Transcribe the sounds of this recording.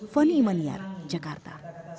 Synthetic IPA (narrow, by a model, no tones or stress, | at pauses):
fənimənja̰ɾd͡ʑəkaɾt̪a̰